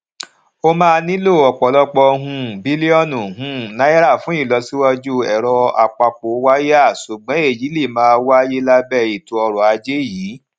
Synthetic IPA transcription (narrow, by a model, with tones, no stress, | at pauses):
o˦mãː˦˧nĩ˦lo˦˨ɔ˨k͡pɔ˨˦lɔ˦k͡pɔ˧ɦũ˧bi˦li˦ɔ˦˨nũ˨ɦũ˨˦nã˨˦ɛ˦ɾa˦˨fũ˨˦i˦˨lɔ˧si˦wa˧d͡ʒu˦ɛ˨ɾɔ˧a̰˨k͡pa˧k͡po˨˦wa˦ja˦˨su˨ɡ͡bɔ̃˨˦e˦˨d͡ʒi˨˦li˦˨mãː˨˦˧wa˦je˦la˧bɛ˦˨i˨tu˨˦ɔ˧ɾɔ˨a˧d͡ʒe˦jiː˨˦